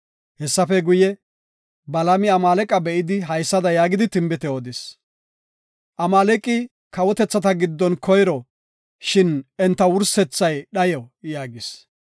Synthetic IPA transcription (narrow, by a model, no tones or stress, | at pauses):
hɛsːɐfɛɡʊjɛ | bɐlɐmɪɐmaːlɛkʼɐbɛʔɪd̪ɪɦɐjsːɐd̪ɐjaːɡɪd̪ɪt̪ɪmbɪt̪ɛod̪ɪs | ʔɐmaːlɛkʼːɪ | kɐwɔt̪ɛt͡sːɐt̪ɐɡɪd̪ːɔnkʰɔjɾɔ | ʃɪnɛnt̪ːɐwʊɾsɛt͡sːɐjɗɐjɔjaːɡɪs